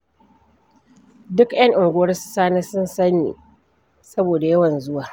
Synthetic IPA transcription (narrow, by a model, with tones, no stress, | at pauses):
dʊ˦kʔj̰ɐ˦ŋʔɪ˨ŋɡʷʊ˦wɐ˦rsʊ̥˦saː˦naː˦sʊ˦nsɐ˦nːḭː˨ | sɐ˦boː˨da˨jɐ˦wɐ˨nzʊ˦waː˨